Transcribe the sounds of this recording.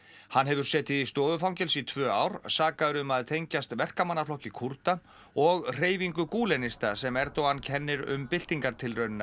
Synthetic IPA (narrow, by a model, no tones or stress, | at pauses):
hanːɦɛvʏɾ̥sɛːt̪ɪist̪ɔːðʏfawɲcɛlsit̪ʰvœːaːwɾ̥saːkaðʏɾʏmaðt̪ʰejɲcast̪vɛr̥kamanːaflɔhcɪkʰuɾ̥t̪a | ɔɣr̥eːjviŋkʏkuːlɛnɪst̪asɛmɛɾt̪owancʰɛnːɪɾʏ̰mpɪl̥t̪iŋkaɾt̪ʰɪlrœɥnɪna